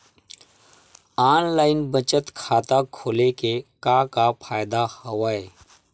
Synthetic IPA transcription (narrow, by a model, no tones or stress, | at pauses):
aːnlaːɪnbət͡ʃət̪kʰaːt̪akʰoːlekekaːkapʰaːjɪd̪ahɐʋaːeː